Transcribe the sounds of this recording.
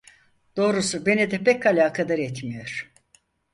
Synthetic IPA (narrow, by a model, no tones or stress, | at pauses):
d̪̥o̞ːɾusube̞nid̪ɛpʰɛkalʲaːkʰad̪aɾɛt̪mijo̞ɾ̥